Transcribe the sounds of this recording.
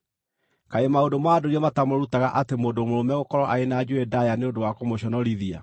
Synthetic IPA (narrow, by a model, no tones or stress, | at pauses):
kaemaodomaːdoɾiɔmatamoɾutaɣaʔatemoːndomoɾomɛɣokɔɾɔʔaenad͡ʑuedajaneondowakomoɕɔnɔɾiðia̰